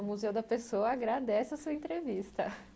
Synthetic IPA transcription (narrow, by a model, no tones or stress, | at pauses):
muzewd̪ɐpesowɐaɡɾad̪ɛsɪɐsuɐẽt̪ɾevist̪ɐ